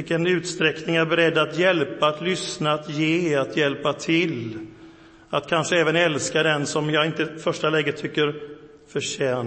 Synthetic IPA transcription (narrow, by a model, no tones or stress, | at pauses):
ɪkːənʉ̟ːt̪st̪ɾɛknɪŋæɾbɛɾɛd̪ːat̪jɛlpaːt̪lʏsnaːt̪jeːat̪jɛlpat̪ʰɪl | at̪kʰanʂəɛːvənɛlskad̪ɛnsɔmjɑːɪnt̪əfœʂʈalɛːɡət̪ʰːʏkːəɾ | fœʂɛː